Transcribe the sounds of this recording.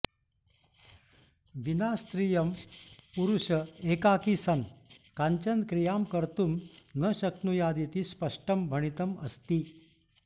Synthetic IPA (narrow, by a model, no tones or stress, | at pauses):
ʋinast̪ɾijəmpuɾuɕəekakisənkaɲt͡ɕənkɾijamkəɾt̪umnəɕəknujad̪it̪iːspəʂʈəmbʱəɽ̃it̪əməst̪iː